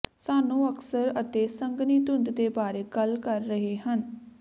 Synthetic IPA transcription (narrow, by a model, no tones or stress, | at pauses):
saːnũːəksəɾət̪eːsəŋɡniːt̪ʊnd̪d̪eːbaːɾeːɡəlkəɾːəɦeːɦən